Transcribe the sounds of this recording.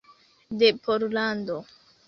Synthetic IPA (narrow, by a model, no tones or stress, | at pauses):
depʰoɾlando